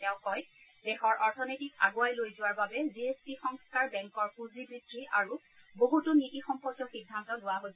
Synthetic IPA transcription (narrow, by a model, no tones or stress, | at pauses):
tɛʊ̃kɔj | dɛxɔɹʔɔɹtʰɔnojtika̰ɡoajlojzʊwaɹbabɛziespixɔŋskaɹbɛŋkɔɹpuzibɹidɹiʔaɹu | boɦutʊnitixɔmpɔkjɔxidʱːantɔlʊwaɦojs